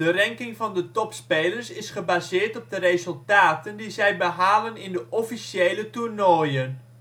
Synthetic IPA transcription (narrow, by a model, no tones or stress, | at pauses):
dərɛŋkɪŋvɑndətɔpspeːlərsɪsχəbaːzɪːɹtɔb̚dərezɵlˠtaːtəndizɛjbəɦaːlənɪndəʔɔfisjeːləturnoːjən